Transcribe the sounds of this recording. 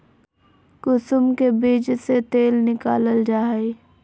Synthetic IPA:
kʊsʊmkebiːd͡ʒset̪eːlnɪkaːləld͡ʒaːi

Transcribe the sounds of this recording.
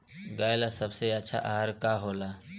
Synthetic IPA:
ɡaːjlasəbseɐtːʃʰa̰ʔaɦəɾkaɦoːlaː

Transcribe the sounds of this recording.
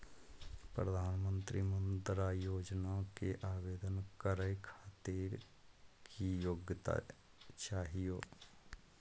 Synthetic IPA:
pɾəd̪ʱaːnmənt̪ɾiːmənd̪ɾaːjoːd͡ʒnaːkeʔaːʋeːd̪ənkəɾəjkʰaːt̪eɾ | kiːjoɡt̪a̰ː | t͡ʃaːɦijoː

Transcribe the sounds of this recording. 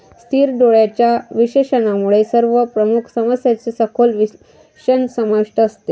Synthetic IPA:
st̪ʰiːɾd̪oɭjat͡ɕjaʋiɕeɕənamuɭesəɾʋəpɾəmukʰsəməsjat͡sesəkʰolʋi | ɕənsəmaʋiʂʈəːst̪e

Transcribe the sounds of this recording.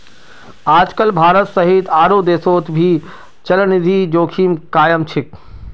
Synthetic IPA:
aːd͡ʒkəlbʱaːɾət̪sɐɦiːt̪ʰaːɾuːd̪eːsoːt̪bʱiː | t͡ʃɐlnɪd̪ʱiːd͡ʒoːkʰiːmkaːjəmt͡ʃʰɪk̚

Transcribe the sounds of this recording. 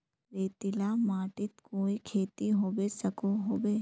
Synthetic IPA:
ɾeːt̪ɪlamaːʈɪt̪koːikʰeːt̪iɦoːbesɐkoɦoːbeː

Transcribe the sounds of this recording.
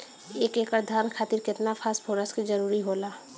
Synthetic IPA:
ekekəɾd̪ʱaɾnkʰaːt̪iɾkɪt̪napʰaspʰoɾəsked͡ʒəɾuɾiɦola

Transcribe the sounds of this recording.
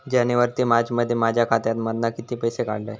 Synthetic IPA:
d͡ʑaniʋəɾt̪imad͡ʑməd̪ʱːjemad͡ʑʱjakʰat̪jat̪mad̪nakit̪iːpəjseka̰ɽla̰j

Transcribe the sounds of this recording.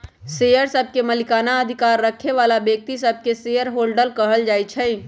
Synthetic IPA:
sejəɾsəb̚ʱkeməlikanaəd̪ʱikaɾːəkʰeʋalabjək̚t̪isəb̚ʱkesejəɾɦolɖəlkəɦəld͡ʒajt͡ʃʰə

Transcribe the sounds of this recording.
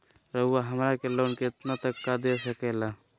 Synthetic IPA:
ɾəɦuːaɦəmɾakeloːnket̪nat̪əkːad̪esəkeːla

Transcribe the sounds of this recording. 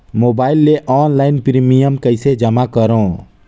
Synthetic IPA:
moːbaːɪlːeʔɔːnlaːɪnpɾimijəmkəɪsed͡ʒəmakəɾõː

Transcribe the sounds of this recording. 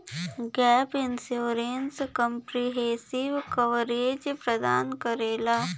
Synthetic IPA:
ɡɛːpɪnsjoːɾenskəmpɾiɦeːsɪʋkəʋɾeːd͡ʒpɾəd̪aːnkəɾeːlaː

